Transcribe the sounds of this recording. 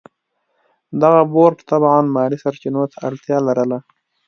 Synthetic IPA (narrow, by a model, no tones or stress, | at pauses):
d̪aɣaboɾʈt̪abʕɑnmɑːɾisaɾt͡ʃinot̪ʰaaɽt̪jɑːlaɾəla